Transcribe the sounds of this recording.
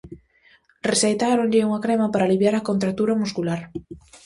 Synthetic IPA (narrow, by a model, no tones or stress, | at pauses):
resejt̪aɾoɲʎɪuŋɐkɾemapaɾaliβjaɾakont̪ɾak̚t̪uɾɐmuskulaɾ